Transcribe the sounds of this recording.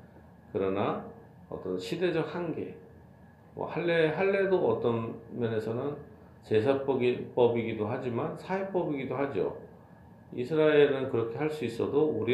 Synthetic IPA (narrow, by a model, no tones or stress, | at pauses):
kɯɾʌna | ʌ̰t͈ʌnɕʰide̞d͡ʑʌk̚hanɡe̞̰ | mwʌ̰haɭːeɦaɭːedoʌt͈ʌnmjʌne̞sʰʌnɯn | t͡ɕe̞s̬ʰap͈ʌɡip͈ʌbiɡidoɦad͡ʑimansʰaip͈ʌbiɡidohad͡ʑo̰ | ḭsʰɯɾaeɾɯnkɯɾʌkʰe̞ɦaɭs͈uis͈ʌdouɾi